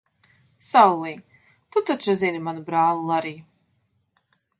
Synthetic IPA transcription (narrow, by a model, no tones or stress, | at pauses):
sawlˠiː | t̪ut̪at͡ʃazʲinimanubɾaːlˠɨlˠaɾiː